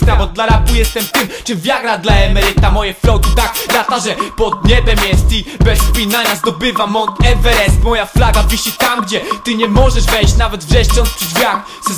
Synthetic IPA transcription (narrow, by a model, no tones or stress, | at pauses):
st̪ɾabɔd̪laɾabujɛst̪ɛmt̪ɘmt͡ʂɨmvʲjaɡɾad̪laɛmɛɾɘt̪amɔjɛflɔwt̪ut̪akɾat̪aʐɛpɔd̪̚ɲɛbʲɛmjɛst̪ibɛspʲinaɲazd̪ɔbɘvamɔt̪ɛvɛɛsmɔjaflaɡaviɕit̪amɡd͡ʑɛt̪ɨɲɛmɔʐɛʐvɛjɕt͡ɕnavɛd̪vʐɛʂɔ̃nspʂɛd̪vʲjak | s